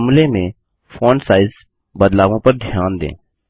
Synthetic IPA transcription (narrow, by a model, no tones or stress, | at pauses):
mlemẽ | fʰoːnsaːɪz | bəd̪laːʋõpɐɾd̪ʱjaːnd̪ḛ̃ː